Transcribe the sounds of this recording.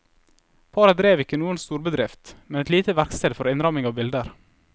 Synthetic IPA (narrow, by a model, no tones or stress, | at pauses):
pʰɑːɾəd̪ɾeːʋɪkːənuːənst̪uːɾbəd̪ɾɪft̪mɛnɛt̪liːt̪əʋæɾkst̪eːd̪fɔɾɪnɾɑmɪŋɑʋbɪld̪əɾ